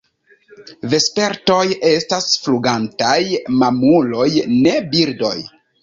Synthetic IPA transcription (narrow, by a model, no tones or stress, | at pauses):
ve̞spe̞ɾto̞je̞stasfluɡantajmamulo̞jne̞biɾdo̞̰j